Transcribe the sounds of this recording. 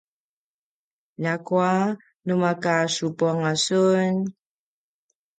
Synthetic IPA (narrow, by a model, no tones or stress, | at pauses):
ʎakua | numakasupuaŋasun